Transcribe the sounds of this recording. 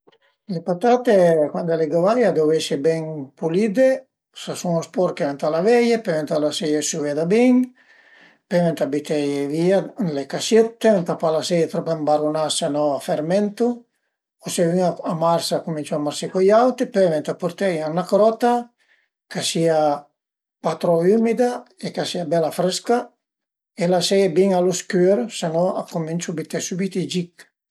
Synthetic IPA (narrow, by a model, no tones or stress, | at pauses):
lepat̪at̪ekwand̪aleɡavajad̪ovɛsebɛŋpulid̪e | sasuŋospɔɾkevɛnt̪alavɛjepɛvent̪alasɛjesuvead̪abiŋ | pɛvɛnt̪abit̪ɛjvialekaset̪ːevɛnt̪apalasɛjet̪ɾɔpembaɾunasenɔafeɾmɛnt̪u | oseviŋaamaɾsakumint͡ʃuamaɾsikojawt̪ipevɛnt̪apuɾt̪ɛjanakɾɔt̪a | kasia | pat̪ɾɔymid̪aekasiabɛlafɾɛska | elasɛjebiŋaloskøɾsenɔakomint͡ʃubit̪ɛsubit̪id͡ʒik